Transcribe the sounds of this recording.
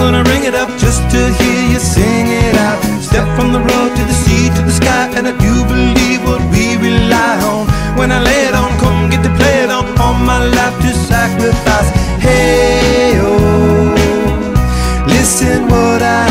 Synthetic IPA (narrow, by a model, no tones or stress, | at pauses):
ɡʌnɨɹɪ̃ŋɨɾʌp̚d̥ʒ̥ʌstʰɨhiɹjɨsɪ̃ŋɪɾaʊt̚stɛpfɹʌ̃mðəɹoʊd̚tʰɨðɨsitʰɨðɨskaɪʔɨ̃nadɨbɨlivwʌt̚wiɹilaɪhõʊ̃m | wə̃naɪleɪɨɾn̩kʰʌ̃m̩ɡɛt̚ɨpʰl̥eɪɨɾn̩ɔmaɪlaɪftʰɨsækɹɨfaɪshe | o | lɪsɨ̃nwʌɾaɪ